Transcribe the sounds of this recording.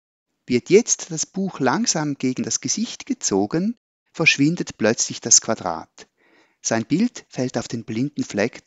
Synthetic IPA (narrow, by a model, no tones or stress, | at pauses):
vɪɐtjɛt͡std̥asb̥uːxlaŋz̥aːmɡ̥eːɡŋ̩dasɡ̥əz̥ɪçtɡ̥ət͡soːɡən | fɛɐʃv̥ɪndətplœt͡slɪçd̥askʰv̥adʁa̰ːt | z̥aɪnbɪltfɛltaʊfd̥eːnblɪndn̩flɛk